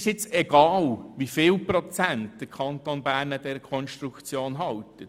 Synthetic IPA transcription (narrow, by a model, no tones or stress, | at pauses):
ʃɪt͡sɛɡ̥ɑːlʋifɪːlpɾot͡sæntd̪̥əɾkʰɑnt̪onbæːɾnəd̥ɛɾəkʰɔnʃt̪ɾukt͡sjoːnɦɑwt̪ət